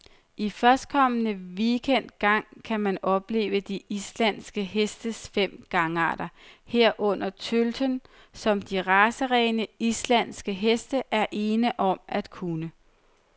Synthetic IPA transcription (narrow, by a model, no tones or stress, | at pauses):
ʔifɶɐsd̥̚kʰɒ̽mənəʋikʰen̰d̥̚ɡ̥ɑ̈ŋ̰kʰæmænɒ̽b̥le̝̰ːʊəd̥iʔislænsɡ̥əɦesd̥əsfem̰ɡ̥ɑ̈ŋəɑ̰̈ːd̥ɐheɐ̰ʔɔ̽n̰ɐt͡sʰøld̥ʰən | sɒ̽md̥iʁɑ̈səʁɛːɪnəislæn̰sɡ̥əɦesd̥əʔæɐʔe̝ːnəʔɒ̽mæd̥kʰunə